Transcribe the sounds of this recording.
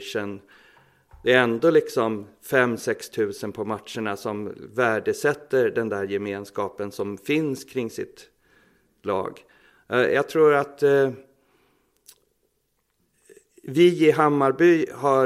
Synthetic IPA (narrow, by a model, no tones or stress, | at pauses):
ʂən | d̪̥ɛæɾɛnd̪oːlɪksɔmfɛmːsɛkst̪ʰʉ̟ːsənpʰɔmat̪ʂəɳasɔmvæːɖəsɛt̪ːəɾɖɛnd̪æːɾjɛmeːnskɑːpənsɔmfɪnskʰɾɪŋːsɪ̰t̪ | lɑ̰ːɡ | jɑ̰ːɡ̚t̪ʰɾuːɾat̪ | vɪɪɦamːaɾbyːha